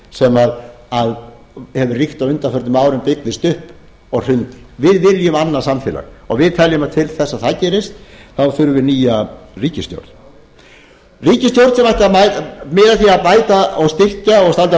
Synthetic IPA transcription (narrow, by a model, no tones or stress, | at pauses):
sɛmað | að | hɛvʏrixt̪awʏnt̪afœɾt̪ɪmaːwɾʏmpɪknɪst̪ʏhp | ɔɣr̥ʏnt̪vɪðvɪljʏmanːasamfɪːla̰ɣɔɣvɪðt̪ʰɛljʏmat̪ʰɪlθɛsːaðθacɛːɾɪst̪θawθʏɾʏvɪɾniːjariːcɪst̪jo̰wɾð | riːcɪst̪jowɾt̪sɛmajht̪amamɪːðaθiaðpaːjt̪aɔɣst̪ɪhcaɔɣst̪alt̪a